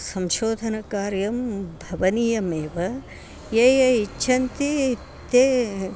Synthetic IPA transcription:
sɐmʃoːd̪ʱɐnɐkaːɾjɐmbʱɐʋɐniːjɐmeːʋɐ | jeːjɐit͡ʃːʰɐnt̪i | t̪eː

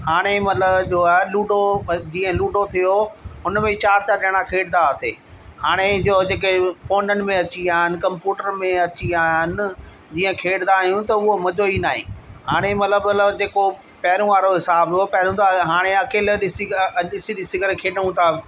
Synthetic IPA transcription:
haːɽ̃emɐt̪ləbd͡ʑoːaluːɖʱod͡ʑiːə̃luːɖʱot̪ʰijoɦʊnmẽt͡ɕaːɾt͡ɕaːɗɪɽ̃akʰeːɖnd̪aəsḛːhaːɽ̃ed͡ʑoːd͡ʑeːkefoːnənɪ̆mẽɐt͡ɕiaːɦɪnɪ̆kɐ̃mpjuːʈəɾmẽɐt͡ɕiaːɦɪnɪ̆ | d͡ʑiːə̃kʰeːɽnd̪aːɦijũt̪ɐʊɦomɐd͡ʑoinaːɦḭ̃ːhaːɽ̃emɐt̪ləbət̪ləbd͡ʑeːko | pɐɦɪɾũʋaːɾoɦɪsaːbopɐɦɾũt̪aɦaːɽ̃eɐkeːlɗɪsiɗɪsiɗɪsiɡəɾkʰeːɖə̃ũt̪ʰa

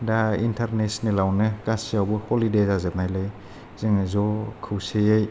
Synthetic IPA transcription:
daintʰaɾnesnilawnɯkasijawbɯhɔlidezazɯt̚najlɯj | zɯŋɯzɔkʰɯwsejej

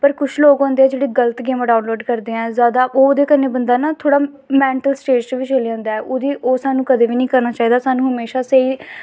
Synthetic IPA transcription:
pəɾkʊt͡ʃʰloːɡɦõːnd̪eɛːd͡ʒeːɽiːɡələt̪ɡeːmːɖaːnloːɖkəɾd̪eːɛ̃ːzjaːd̪aːʔoːd̪eːkənẽːbənd̪aːnaːt̪ʰoːɽaː | mɛ̃ːɳʈəlsʈeːd͡ʒt͡ʃəʋit͡ʃəliãːnd̪aːɛʔʊd̪iːʔoːsaːnũːkəd̪ẽːʋiːnĩːkəɾnaːt͡ʃaːiːd̪aːsaːnũːɦəmeːʃaːseiː

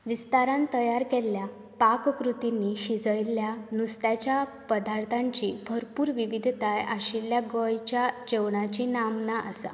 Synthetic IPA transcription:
ʋist̪aɾãnt̪əjaɾkɛlja | pakkɾut̪iniɕid͡zəjljanust̪jat͡ɕja | pəd̪aɾt̪ʰãɲt͡ɕiːbʱəɾpuːɾʋiʋid̪ʱt̪aja̰ɕiljaɡɔjt͡ɕjat͡ɕewɳat͡ɕinamnaʔa̰sa̰

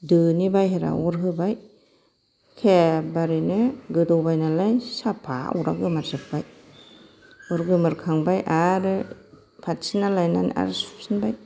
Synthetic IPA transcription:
dɯnibajɦeɾa̰ɔɾɦɯbaj | kʰɛbaɾinɯɡɯdobajnalajsapʰaṵɾa̰ɡɯmatsɯk̚baj | ɔɾɡɯmaɾkʰaŋbajʔaɾɯ | pʰat̚sinalajnana̰ɾsu̥psinbaj

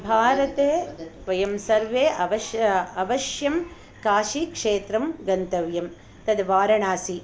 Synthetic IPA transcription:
bʱaːɾɐt̪eːʋɐjɐmsɐɾʋeːʔɐʋɐʃjɐɐʋɐʃjɐm | kaːʃikʂeːt̪ɾɐmɡɐnt̪ɐʋjɐm | t̪ɐd̪ʋaːɾɐɳaːsi

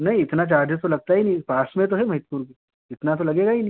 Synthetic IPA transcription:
nɐɦĩɪt̪nat͡ʃaːɾd̪ʱet̪olɐɡ̚t̪aɦinɐɦĩpaːsmẽt̪̬oɦɛmɐɦɪt̪puːɾke | ɪt̪nat̪̬olɐɡeːɡaɦinɐĩ

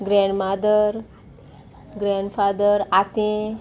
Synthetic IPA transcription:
ɡɾɛ̃ɳɖmad̪əɾ | ɡɾɛ̃ɳɖfad̪əɾat̪ẽ

